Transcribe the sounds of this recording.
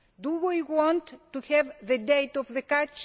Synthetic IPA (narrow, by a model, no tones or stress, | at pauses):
d̪uwiwɔ̃nt̪ːuhɛvðəd̪eɪt̪ɔvðəkat͡ʃ